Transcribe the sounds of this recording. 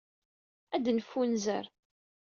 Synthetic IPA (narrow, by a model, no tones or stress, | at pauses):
æd̪nfːunzə̰ɾ